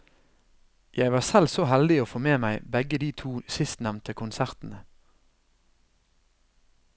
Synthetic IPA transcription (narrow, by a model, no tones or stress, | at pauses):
jæɪʋɑːsɛlsoːhɛld̪ɪoːfoːmeːmæɪbæɡəd̪iːt̪ʰuːsɪst̪næʋnt̪əkʰʊnsæʁt̪n̩ə